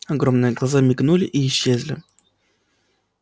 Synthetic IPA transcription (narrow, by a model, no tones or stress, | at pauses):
ɐɡɾo̞mnɨjəɡlˠɐzamʲɪɡnulʲɪ̰ʔiːɕːezʲlʲɪ